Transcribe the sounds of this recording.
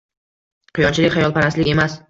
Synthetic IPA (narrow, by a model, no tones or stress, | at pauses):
qʰɨjɒnt͡ʃʰɪlɪkʲχajɒlˠpʰaɾaslɪkʲe̞mas